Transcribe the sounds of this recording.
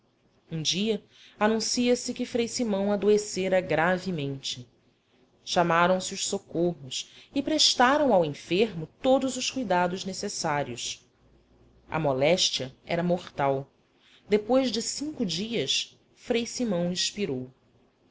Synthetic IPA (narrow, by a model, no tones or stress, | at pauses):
ũd͡ʒiɐ | anũsiɐsɪkɪfɾejsimɐ̃w̃ad̪oeseɾɐɡɾavɪmẽnt͡ʃɪ | ʃamaɾɐ̃w̃sɪʊʃsokoɦʊsɪpɾeʃt̪aɾɐ̃w̃awẽfeɾmʊt̪od̪ʊzʊʃkujd̪ad̪ʊʒnesesaɾiʊs | ɐ̰molɛʃt͡ʃiɐɛ̰ɾɐmoχt̪aw | d̪epojʒd͡ʒɪsĩŋkʊd͡ʒiɐs | fɾejsimɐ̃w̃ĩʃpiɾow